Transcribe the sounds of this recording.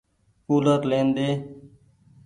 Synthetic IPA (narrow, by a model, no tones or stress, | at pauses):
kuːlət̪lẽːnd̪eː